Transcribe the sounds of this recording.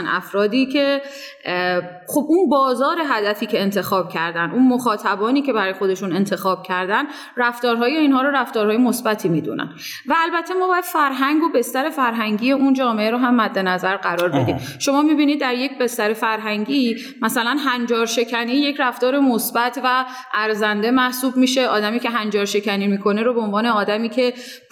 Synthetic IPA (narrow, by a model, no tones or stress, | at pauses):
næ̰fɾɒːd̪iːcʰe̞ | xo̞bʔunbɒːzɒːɾe̞ɦæd̪æfiːcʰe̞ːnt̪ʰe̞xɒːbcʰæɾd̪ænd̪unmoxɒːt̪ʰæbɒːniːce̞bæɾɒːjexo̞d̪e̞ʃune̞nt̪ʰe̞xɒːb̥̚cʰæɾd̪æn | ɾæft̪ɒːɾɦɒːjeiːnɦɒːɾoɾæft̪ɒːɾhɒːjemosbæt̪ʰiːmiːd̪ṵnʔæ̰n | væːlbæt̪ʰːe̞mɒːbɒːjæd̪̥fæɾɦæŋɡobe̞st̪æɾe̞fæɾɦæŋɟiːje̞und͡ʒɒːmeʔeɾoɦæmːæd̪ːe̞næzæɾɢæɾɒːɾbe̞d̪iːmʃo̞mɒːmiːbiːnid̪̚ːæɾje̞cbe̞st̪æɾe̞fæɾɦæŋɟiː | mæsælænɦænd͡ʒɒːɾʃe̞cʰæniːje̞cʰɾæft̪ɒːɾe̞mosbæt̪ʰvæ | ʔæɾzænd̪e̞mæhsuːbmiʃe̞ʔɒːd̪æmiːcʰeɦænd͡ʒɒːɾʃe̞cʰæniːmikʰo̞neɾobeonvɒːne̞ɒːd̪æmiːcʰe̞